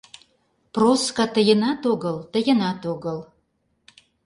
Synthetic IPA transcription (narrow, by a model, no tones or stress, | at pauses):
proskɑt̪ə̆jə̆nɑt̪oɡəlt̪ə̆jə̆nɑt̪oɡə̆l